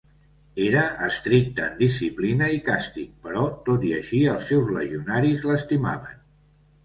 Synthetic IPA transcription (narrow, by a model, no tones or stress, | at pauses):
eɾəʔːst̪ɾik̚t̪əːnd̪isiplinəikast̪ik̚pəɾɔt̪ot̪iəʃiəlˠsːɛwzlə̰ʒiunaɾizləst̪ima̰βən